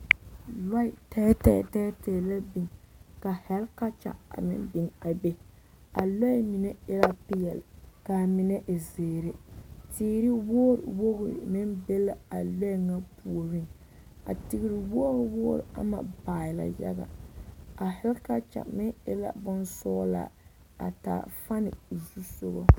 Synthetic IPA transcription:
la˦i˨tɛ˦tɛ̰˨tɛ˦tɛ˨la˦bi˨ŋka˨hɛ˦lka˦t͡ʃa̰˨a̰˨mɪ̰˦nbɪ˨ŋa˨be˦ | a˨la˦mi˨nɛ˦ɪ˦la˦pɪ˦jɛ˨lka˨mɪ˨nɛ˦ʔɪ˨zeː˨ɾɪ˦tiː˦ɾi˦wo˦ɾɪ̰˨wo˦ɣʊ˨mɪ˦nbe˦la˨a˨lo˦˨ŋa˦pu˨o˨ɾɪ˦ŋ | a̰˨tɪ˨ɡɪ˦ɾɪ˨wo˦hʊ˨˦wo˦ɾḭ˨a̰˦ma̰˨baː˨ɪ˨la̰˨jɛ̰˦ɡa̰˨a˨hɛ˦lka˦t͡ʃa̰˨mɪ˦ɪ˦la̰˦bʊ˦nsɔː˦la̰˨ | a̰˨ta̰ː˨fa˦nɪ̰˨zu˦so˦ɣɔ̰˦

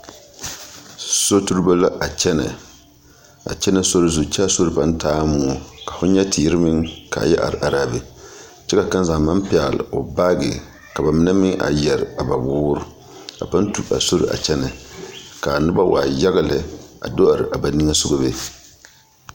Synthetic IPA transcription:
so˦tu˦ɾɨ˦ba˦la˦ʔa˨t͡ʃɛ˦na̰˨ | a̰˨t͡ʃɛ˦na˦˨so˦ɾɨ˦zu˨t͡ʃɛ˦so˦ɾɨ˨pa˦n˦taː˦m˦ʊ˨ɔ˨ka˨fʊ˦ɲɛ˦tɪ˨˦ɾɨ˦mɨ˦ŋka̰˨jɛ˦ʔa̰˨ɾʔa˨ɾaː˦bɪ˨ | t͡ʃɛ˦ka˨ka˦n˦za˨ma˦mpɪ˦a˨l̰o˨ba˦ɡɪ̰˨ | ka˨ba˨mɪ˦na˦mɪ˦ʔa̰˨jɛ˨ɾɪ˨a˨ba˨buː˦ɾʊ˦ | a̰˨pa˦n˦tu˨ʔa̰˨so˦ɾɨ̰˨ʔa̰˨t͡ʃɛ˦na˨ka˨nɨ˦ba˦wa̰ː˨ja˦ɣa˨lɨ˨a̰˨do˦ʔa˨ɾɨ˨ʔa˨ba˨ni˦ŋa˦sʊ˦ɡo˦be˦

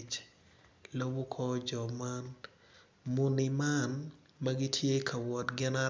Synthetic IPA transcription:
t͡ʃ | lo˦wu˦kʰɔ˦d͡ʒɔ˨ma˦n | mʊnɪ˨ma˦n | mɐɡi˦tʰje˦kʰa˨wɔ˨tɡɪ˦na˦

